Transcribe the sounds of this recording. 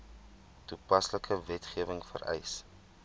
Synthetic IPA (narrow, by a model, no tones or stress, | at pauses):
tupɐsləkʰəvɛtχiəvəŋfə̰ɾɛ̰js